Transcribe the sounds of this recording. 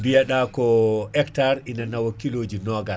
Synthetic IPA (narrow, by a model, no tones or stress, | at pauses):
bijaɗakɔɛktaɾinanawokːiloːd͡ʒinɔɡal